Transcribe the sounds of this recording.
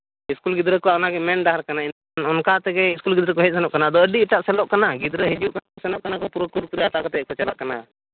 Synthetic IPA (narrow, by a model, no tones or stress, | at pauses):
iskulɡid̪ɾəkɔwaʔɔnaɡɛmɛnɖaɦaɾkanain | nɔnkat̪ɛɡɛiskulɡid̪ɾəkɔɦɛt̪̚ˀsɛnɔʔkanad̪ɔəɖiɛʈaʔsɛlɔʔkanaɡid̪ɾəɦid͡ʒuʔkaaɔsɛnɔʔ̚kanakɔpuɾəkuɾpuɾijat̪aʔkɔt̪ɛkɔt͡ʃala̰ʔkana̰